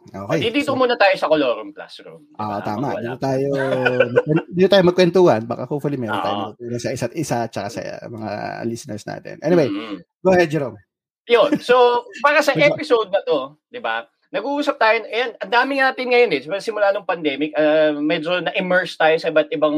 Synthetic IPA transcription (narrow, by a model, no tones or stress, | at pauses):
ʔo̰ːkɛjd̪id̪iːt̪omuːnɐt̪aːjo̞sɐkoloːɾomkla̰sko̰ʔo̰ʔot̪aːmɐ̰ʔd̪iːk̪ot̪aːjomɐkɛd̪iːɡ̪ot̪aːjomɐɡkwɛnt̪uːhɐnba̰ːkahoːfɐlimɛːɾon̰ːa̰ːjmɐt̪uːnɐsɐʔɪsat̪̚ʔɪsat͡ʃɐkasɐ̰mɐŋa̰lisnɛ̰ɹsna̰ːt̪ɪ̰nʔɛniwej | ɡohɛd͡ʒɐɾoŋ | jonsopaːɾɐsɐʔɛpɪsowd̪̚nɐt̪o̞ | d̪ɪba̰ | nɐɡuʔuːsɐp̚t̪aːjonʔɐjanɐnd̪aːmɪŋnaːt̪ɪnŋɐjonɛsɪpɛɾɐsɪmʊlaːd̪oŋpɐnd̪ɛːmɪk̚ɐmɛd͡ʒo̞nɐʔɪmɛɹst̪aːjosɐɪbɐt̪̚ʔɪbɐŋ